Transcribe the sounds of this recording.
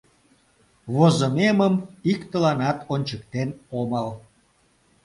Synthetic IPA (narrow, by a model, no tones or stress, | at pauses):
βozəmeməmikt̪əlɑnɑt̪onʲt͡ɕəkt̪enoməl